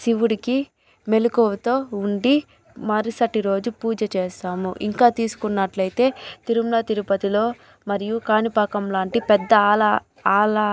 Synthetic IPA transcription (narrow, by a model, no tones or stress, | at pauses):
siʋuɽiki | melukoːʋut̪o̞ːuɳɖi | mɐɾisɐʈiɾo̞ːd͡ʒupuːd͡ʒɐt͡ʃeːsaːmṵʔḭŋkaːt̪iːsu̥kunːɐʈlɐjt̪e̞ːt̪iɾumlɐt̪iɾupɐt̪ilo̞ː | mɐɾijukaːnipɐkɐmlaːɳʈipɛd̪ːɐːlɐ | aːlɐ